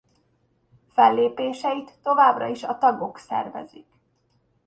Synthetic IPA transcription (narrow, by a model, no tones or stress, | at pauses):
fɛlːeːpeːʃɛit̪ːo̞vaːbrɒ̰iʃɒt̪ɒɡo̞ksɛ̰rvɛ̰zik